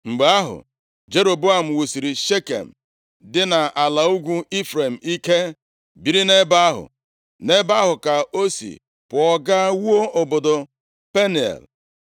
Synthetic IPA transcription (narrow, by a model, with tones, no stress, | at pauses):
ŋ͡m̩˨ɡ͡be˨˦a˦ɦʊ̰˨ | d͡ʒe˦ɾo˨bo˦a˨m̩˨wu˨si˨ɾi˨ʃe˦kḛ˨m̩˨ | dɪ˦na˨ʔa˨la˨u˦ɡʷu˦i˦fɾe˨m̩˨i˦ke˦ | bi˨ɾi˦ne˦ba˦ɦʊ̰˨ | ne˦ba˦ɦʊ˨ka˨o˦sḭ˨ | pʊ˨ɔ˦ɡa˦wu˦o˦o˨bo˨dʊ˨ | pe˦ni˨ḛ˨l